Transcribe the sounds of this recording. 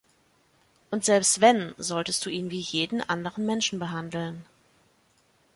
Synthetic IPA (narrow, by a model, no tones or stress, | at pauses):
ʔʊntz̥ɛlpstv̥ɛnzɔltəst̚d̥uːiːnviːjeːdn̩ʔandəʁənmɛnʃn̩bəɦandl̩n